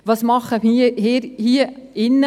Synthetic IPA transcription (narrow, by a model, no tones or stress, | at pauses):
ʋɑːsmɑχəmihiɾhiːəɪnːə